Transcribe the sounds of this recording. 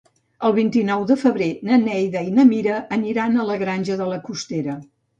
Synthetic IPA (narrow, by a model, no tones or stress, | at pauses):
əlˠβ̞int̪inɔwðəfəβɾenənɛjðəinəmiɾəʔːniɾanələɣɾanʲʒəðələkust̪eɾə